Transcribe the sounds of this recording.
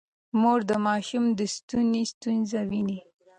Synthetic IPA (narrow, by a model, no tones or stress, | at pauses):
moɾd̪əmɑʃumd̪əst̪unist̪unzawini